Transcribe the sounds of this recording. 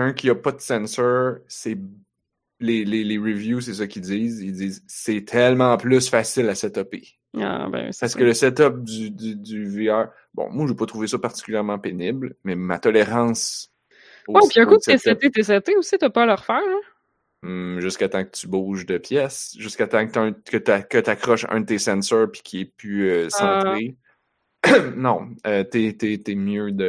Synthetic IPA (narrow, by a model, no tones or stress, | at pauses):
ɛ̃kʲʰiɔpʌd̪sɛ̃nsœ˞sɛ | leleleʁivjus̬ɛsɔkʲid͡zziːzild͡ziːzsɛt̪ʰɛlmɑ̃plʏsfasɪlasɛt̪ɔpe | a̰bɛ̰̃w̰sasəkələsɛt̪ɔp̚d̪yd̪yd̪yveœː | bɔ̰̃mwaʒepɔt̪ʁuvesʌpaʁt̪i̥kʲyljɛʁmɑ̃penɪblmɛma̰t̪ɔleʁɑ̃ːs | owɛpiɛ̃kuesɛt̪et̪es̬ɛt̪eusit̪apɔləʁfæːʁɛ̃ | ʒɨskat̪ɑ̃kət̪ybuːʒd̪əpjɛsʒɨskat̪ɑ̃kt̪ə̃kət̪yakət̪akχɔʃœ̰̃d̪ət̪esɛ̃sœːpi̥kʲiɛpyøsɛ̃t̪ʁe | nɔ̃øt̪et̪et̪emjød̪ə